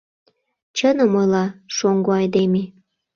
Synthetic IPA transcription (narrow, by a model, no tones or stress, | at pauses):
t͡ɕənəmojlɑʃoŋɡoɑjd̪eme